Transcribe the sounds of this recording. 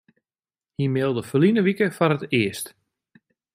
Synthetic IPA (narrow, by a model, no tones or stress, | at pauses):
himɪlˠdəfəlinəʋikəfɔnətɪəst